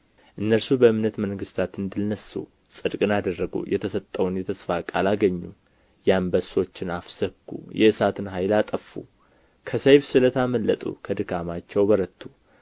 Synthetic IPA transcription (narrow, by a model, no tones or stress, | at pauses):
ʔɨnːəlsubəɨmnət̪məŋɡɨst̪ʰat̪ɨnd̪ɨlnəsṵ | sʼɨd̪kʼɨnad̪ərːəɡṵjʔɛt̪ʰəsət̪ʼːəwnjɛt̪ʰəsfakʼalaɡəɲːu | jambəso̞t͡ʃːɪnafsəkːṵjɛɨsat̪ʰɨnɦajlat̪ʼəfːṵ | kʰəsəjfsɨlət̪ʰaməlːət̪ʼṵkʰəd̪ɨkʰamat͡ʃːɛwbəɾət̪ʰːu